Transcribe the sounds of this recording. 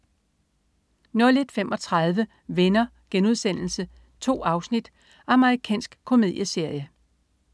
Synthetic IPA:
nɔɐled̥femʔɒ̽t͡sʰʁɑð̞ˠʋə | ʋenɐ | ɡ̥enuð̞ˠsen̰l̩sə | t͡sʰo̝̰ːɑ̈ʊsnid̥ | ʔɑ̈məʁikʰɛ̰ːnsɡ̥kʰo̝me̝ð̰ˠjəse̝ɐ̰jə

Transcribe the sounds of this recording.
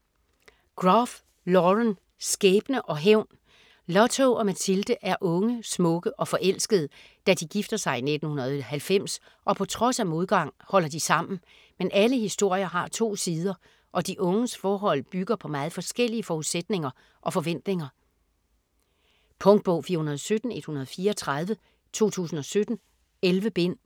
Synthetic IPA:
ɡ̥ʁɑf | lɒʁən | sɡ̥eːb̥nəʔɒ̽ɦeʊ̰n | lɒ̽t͡sʰoʔɒ̽mæt͡sʰild̥əʔæɐʔɔ̽ŋəsmɔ̽ɡ̥əʔɒ̽fɒ̽ʔel̰sɡ̥əð̞ˠ | d̥æd̥iɡ̥ifd̥ɐsɑ̈ɪine̝d̥n̩hunɐð̞̩ˠhælfem̰s | ʔɒ̽pʰɒ̽t͡sʰʁɒ̽sæmo̝ð̞ˠɡ̥ɑ̈ŋ̰hɒ̽l̰ɐd̥isɑ̈m̰n̩ | menʔæləhisd̥o̝ɐ̰jɐɦɑ̈t͡sʰo̝̰ːsiːð̞ˠɐ | ʔɒ̽d̥iʔɔ̽ŋəsfɒːɦɒ̽l̰b̥yɡ̥ɐpʰɒ̽mɑ̈ːð̞̩ˠfɒ̽sɡ̥el̰iəfɒuðˠsed̥ne̝ŋɐ | ʔɒ̽fɒ̽ʋen̰d̥ne̝ŋɐ | pʰɔ̽ŋd̥̚b̥ɔ̽ʊ̰fiːɐhunɐð̞ˠsød̥n̩e̝d̥hunɐð̞̩ˠfiːɐɒt͡sʰʁað̞ˠʋə | t͡sʰo̝̰ːt͡sʰṵːsn̩ɒ̽sød̥n̩ | elʋəb̥e̝n̰

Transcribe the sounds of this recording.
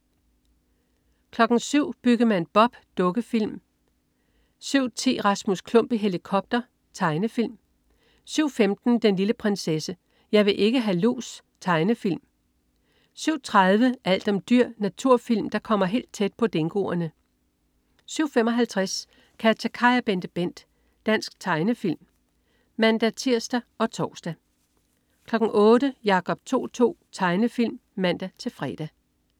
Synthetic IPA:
kʰlɒ̽ɡ̥n̩syʊ̰b̥yɡ̥əmænb̥ɒ̽b̥d̥ɔ̽ɡ̥əfil̰m | syʊ̰t͡sʰḭːʁɑ̈smuskʰlɔ̽m̰b̥iɦe̝likʰɒ̽b̥̚d̥ɐ | t͡sʰɑ̈ɪnəfil̰m | syʊ̰femd̥n̩d̥enliləpʰʁɛnsesə | jɑ̈ɪʋe̝ʔe̝ɡ̥əɦælṵːs | t͡sʰɑ̈ɪnəfil̰m | syʊ̰t͡sʰʁaðˠʋəæl̰d̥ɒ̽md̥yɐ̰næt͡sʰuɐ̰fil̰md̥ɑ̈kʰɒ̽m̰ɐɦe̝̰ːld̥̚t͡sʰed̥̚pʰɒ̽d̥e̝ŋɡ̥o̝̰ːɐnə | syʊ̰femɒ̽ɦælt͡sʰʁas | kʰæt͡sʰækʰɑ̈ɪɐb̥end̥əb̥en̰d̥ | d̥æn̰sɡ̥̚t͡sʰɑ̈ɪnəfil̰m | mæn̰d̥æt͡sʰiɐ̰sd̥æɒ̽t͡sʰɒːsd̥æ | kʰlɒ̽ɡ̥ŋ̩ʔɔːd̥əjɑ̈kʰɒ̽b̥̚t͡sʰo̝̰ːt͡sʰo̝̰ːt͡sʰɑ̈ɪnəfil̰mːæn̰d̥æt͡sʰe̝fʁɛ̰d̥æ

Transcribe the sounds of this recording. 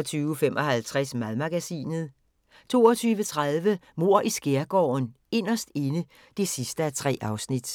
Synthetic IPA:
t͡sʰyːʊfem̰ʔɒ̽hælt͡sʰʁasmæðˠmæɡ̥æsḭːnð̞̩ˠ | t͡sʰo̝ːɒt͡sʰyːʋət͡sʰʁaðˠʋə | mo̝ɐ̰ʔisɡ̥eɐɡ̥ɒ̰ːn | e̝n̰ɐsd̥e̝nə | d̥e̝sisd̥əæt͡sʰʁɛ̰ːʔɑ̈ʊsnid̥

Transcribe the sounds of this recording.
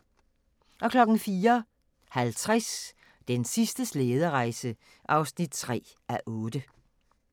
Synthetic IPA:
ʔɒ̽kʰlɒ̽ɡ̥n̩fiːɐ | hælt͡sʰʁas | d̥ensisd̥əsleːð̞ˠɐʁɑ̈ɪsə | ʔɑ̈ʊsnid̥̚t͡sʰʁɛ̰ː | ʔæʔɔ̽ːd̥ə

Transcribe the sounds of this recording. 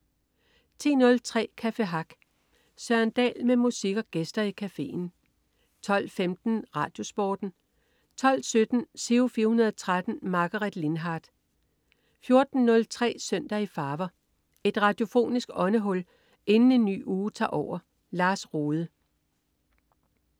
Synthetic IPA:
t͡sʰe̝̰ːnɔ̽lt͡sʰʁɛ̰ːkʰæfe̝ɦɑ̈ɡ̥ | sɶɐnd̥ɛ̰ːlmemusiɡ̥ɐɡ̥esd̥ɐikʰæfe̝̰ːn | t͡sʰɒ̽l̰femd̥n̩ʁɑ̈d̥jo̝sb̥ɒːd̥n̩ | t͡sʰɒ̽l̰sød̥n̩se̝ofiːɐhunɐðˠɒt͡sʰʁad̥n̩mɑ̈ɡ̥ɐʁed̥lenɦɑ̈ːd̥ | fjo̝ɐd̥n̩nɔ̽lt͡sʰʁɛ̰ːsøn̰d̥ɐifɑ̈ːʋɐ | e̝d̥ʁɑ̈d̥jo̝fo̝̰ːnisɡ̥ɒ̽nəɦɔ̽l | e̝nn̩e̝nːy̰ːuːt͡sʰɑ̰̈ːʔɒʊ̰ɐ | lɑ̈ːsʁoːðˠə

